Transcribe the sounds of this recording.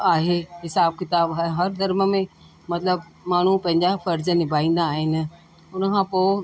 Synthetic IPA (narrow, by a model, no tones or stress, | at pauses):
aːɦeɦɪsaːb̚kɪt̪aːbɦɦɐɾd̪ɐɾmə̆mẽ | mɐt̪ləb | maːɳ̤upɐ̃ɦɪ̃ɲd͡ʑafɐɾd͡ʑənɪbʱaːĩːn̆d̪aːɦɪnɪ̆ | ʊnəkʰãpoː